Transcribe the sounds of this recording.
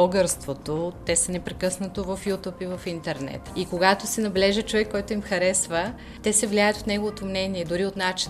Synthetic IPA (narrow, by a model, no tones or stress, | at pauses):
ɔɡəɾst̪vot̪ot̪ɛsənɛpɾɛkɤsnɐt̪ovɐfjut̪upivɐfint̪ɛɾnɛ̰t̪ikoɡat̪osɛnɐblɛʒət͡ʃovɛkːɔjt̪ʊimxɐɾɛsvə | t̪ɛsɛvliajət̪ofnɛɡovot̪omnɛniɛd̪ʊɾiot̪nat͡ʃi